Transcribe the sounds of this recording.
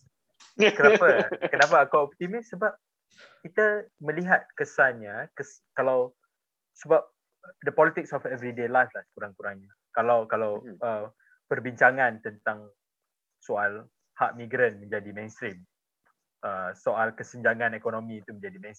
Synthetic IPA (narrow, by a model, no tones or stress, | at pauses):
kənapakənapaːkaɔp̚t̪imɪssəbap̚ | kit̪amə̃liɦat̪̚kəsanɲakəs | kalaw | səbap̚ | dəpɔlit̪ɪk̚sɔfɛvɾidelajflahskuɾaŋkuɾaŋɲa | kalawkalawə | pərbiɲt͡ʃaŋãnt̪ənt̪aŋ | soal | haʔmiɡɾənmə̃ɲd͡ʒadimẽnst̪ɾim | əsoʔalkəsəɲd͡ʒaŋãnɛkonomĩːt̪umə̃ɲd͡ʒadimɛ̃ns